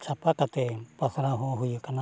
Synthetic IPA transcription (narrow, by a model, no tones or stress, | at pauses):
t͡ʃapakat̪epasaɾaɦoɦujukana